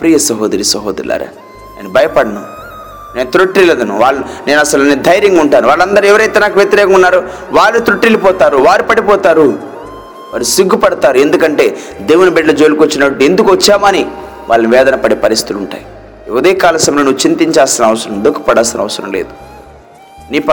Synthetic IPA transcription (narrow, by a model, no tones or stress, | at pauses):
pɾiːjɐsɐɦɔːd̪ɐɾisɐɦɔːd̪ɐɾḭla̰ːɾa̰ː | neːnubʱɐjɐpɐɽɐnaːm | ne̞ːnut̪ɾuʈɾiːlɐd̪ɐnṵʋaːɭːɐne̞ːnɐsɐlned̪ʱɐjɾiŋɡuɳʈaːnuʋaːɭːɐnd̪ɐɾuɛʋɐɾɐjt̪eːnaːkɐʋjɐt̪iɾɛːkɐmunːaːɾu | ʋaːɭːit̪ɾuʈɾiːlupɔːt̪aːɾuʋaːɾupɐɽipɔːt̪aːɾu | ʋaːɾusiɡːupɐɽɐt̪aːɾue̞nd̪ukɐɳʈe̞ːd̪e̞ːʋunibeɖlɐd͡ʒolukot͡ʃːinɐʈuend̪ukuʋɐt͡ʃːaːmɐni | ʋʔaːɭːɐniʋɛːd̪ɐnɐpɐɽepɐɾist̪i̥t̪luɳʈa̰ːji | ɛʋɐd̪eːkaːlɐsɐmɐloːnuːut͡ʃint̪iɲt͡ʃaːsinɐʋɐsɐɾɐmd̪okːu̥pɐɽaːsinɐ̰ʋɐsɐɾɐ̰mlḛːd̪u̥ | niːp